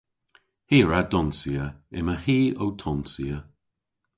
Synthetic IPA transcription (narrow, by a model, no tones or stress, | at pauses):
hiːɹadɔnsiəɛ̰məhiːowtʰɔnsiːə